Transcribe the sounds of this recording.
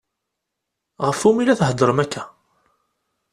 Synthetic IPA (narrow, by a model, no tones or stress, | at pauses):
ʁəfumilæθɦəd̪ˤɾˤəmækːæ